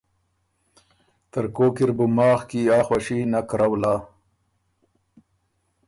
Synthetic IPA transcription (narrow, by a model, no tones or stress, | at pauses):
t̪əɾkoːkiɾbumɑːxkiaːxwaʃinakɾawlaː